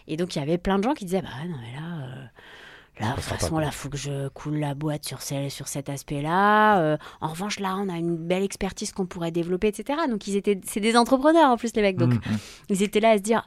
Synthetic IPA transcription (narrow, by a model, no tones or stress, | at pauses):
ed̪ɔ̃kljavɛplɛ̃d̪əʒɑ̃kʲid̪izɛbawɛnɔ̃mɛlaø | la̰fa̰sɔ̃lafokəʒəkʰulːabwat̪syʁsɛsyʁsɛt̪aspɛlaøɑ̰̃ʁəvɑ̃ʃlaɔ̃naynbɛlɛkspɛʁt̪iz̥kɔ̃puʁɛd̪evlɔpeːt̪set̪eʁad̪ɔ̃kilzet̪ɛsɛd̪ezɑ̃t̪χəpχənœʁɑ̃plyslemɛk̚d̪ɔ̃kilzet̪ɛlaːsəd̪iʁ